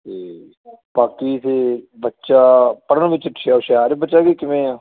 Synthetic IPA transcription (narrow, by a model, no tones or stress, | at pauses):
t̪eː | paːkiːseːbətːʃaːpəɽəɳʋɪt͡ʃʈʰːaːoʃaːɾebətːʃaːkiːkɪmẽːaː